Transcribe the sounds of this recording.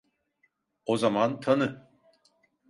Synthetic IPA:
ozamant̪ʰanɯ

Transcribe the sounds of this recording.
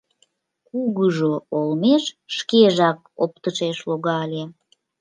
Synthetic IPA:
kuɣəʒoolmeʃːkeʒɑk̚ | op̚t̪əʃeʃloɣɑlʲe

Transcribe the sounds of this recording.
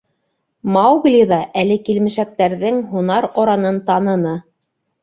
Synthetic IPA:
mɑwɡlʲiðɑʔælɘkilmɘ̆ʃæk̚t̪æɾðɘŋɦunɑɾoɾɑnɤnt̪ɑnɤ̆nɤ

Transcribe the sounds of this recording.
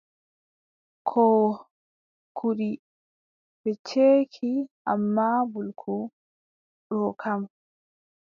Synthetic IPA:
kʰɔ | kʰuɗi | bɛt͡ʃeːkʰiʔa̰mːaːbulkʰu | ɗɔkʰam

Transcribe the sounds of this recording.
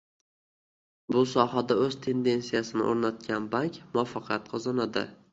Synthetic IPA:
bʊsɒhad̪aɵzt̪ʰe̞nd̪e̞nsijasɪnɪ̰ʔoɾnat̪̚kʲʰanbaŋkʲmʊɒfɑqʰjat̪qʰɒzɑnad̪ɪ̰

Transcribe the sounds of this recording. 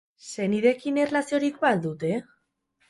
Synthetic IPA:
se̞niðe̞kinerlasio̞ɾikbald̪ut̪e̞

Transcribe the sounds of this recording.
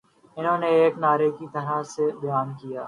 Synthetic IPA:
ɪnɦõːneːeːknaːɾeːkit̪əɾaːseːɓɪjaːnkijaː

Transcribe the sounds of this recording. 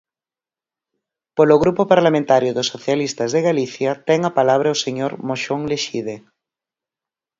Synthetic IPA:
poloɣɾupopaɾlamẽnt̪aɾjʊðosːoθjalist̪azðeɣaliθjat̪ɛŋapalaβ̞ɾaoseɲoɾmoʃoŋleʃiðe

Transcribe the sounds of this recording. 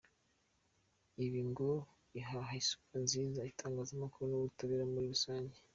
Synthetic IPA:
iβiŋɡo | iɦaɦaisu̥panziːzaitʰaːŋɡaːzamakuɾunoɡutaβiɾamuɾiɾusaːɲɟe

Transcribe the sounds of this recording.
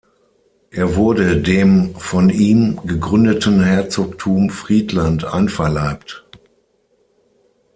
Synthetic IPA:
ʔeːɐvʊɐdədeːmfɔniːmɡəɡʁʏndətən̩hɛɐt͡soːk̚tʰuːmfʁ̥iːtlantʔa̰ɪnfɛɐlaɪp̚t

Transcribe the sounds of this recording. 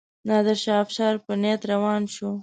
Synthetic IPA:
nɑd̪əɾʃɑfʃɑɾpənet̪ɾawɑnʃu

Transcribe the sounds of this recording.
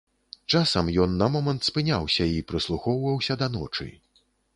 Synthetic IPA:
t͡ʂasɐmjɔnːɐmɔmɐnt̪spɨnʲawsʲɐipɾɨslˠuxɔwvɐwsʲɐd̪ɐn̪ɔ̰t͡ʂɨ̰

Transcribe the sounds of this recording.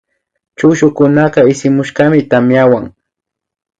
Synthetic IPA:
t͡ʃʊʃʊkʊnɑɢɑɪsɪmʊʃɢɑmɪt̪amjawaŋ

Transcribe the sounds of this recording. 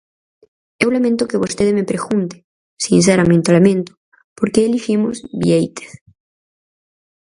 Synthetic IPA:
ewlamẽnt̪okeβost̪eðemepɾeɣunt̪e̥ | sins̬eɾamẽnt̪olamẽnt̪o̥ | poɾkeelifimozβḭejt̪e̥θ

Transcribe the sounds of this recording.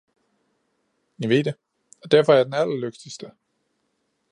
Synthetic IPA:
jɑʋe̝̰ːd̥e | ɒd̥æɐ̰fɒæɐjad̥enælɐløɡ̥d̥isd̥ə

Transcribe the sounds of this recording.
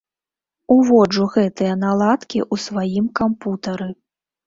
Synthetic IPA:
uvɔd͡ʐuɣɛt̪ɨjɐnalˠat̪kʲiʔusvajimkamput̪ɐɾɨ

